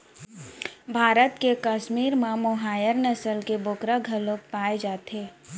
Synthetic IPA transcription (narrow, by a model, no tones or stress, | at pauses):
bʱaːɾət̪kekəʃmiːɾmãmʊɦaːjəɾnəsəlkebʊkɾaɡʱɐlõpaːed͡ʒaːt̪eː